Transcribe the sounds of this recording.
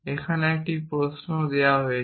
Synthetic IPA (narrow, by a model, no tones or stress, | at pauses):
ekʰanɛʈipɹosnod̪ijaɦoj